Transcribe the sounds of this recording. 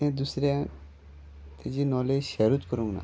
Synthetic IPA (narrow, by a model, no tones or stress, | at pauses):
ẽd̪usɾjã | t̪ʰed͡ʑinɔled͡ʑʃɛɾut̪kəɾũŋɡna̰